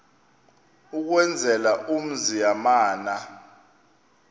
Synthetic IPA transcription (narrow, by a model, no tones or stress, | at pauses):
uk̬wɛnd͡zʱɛlaʔum̩zijamaːna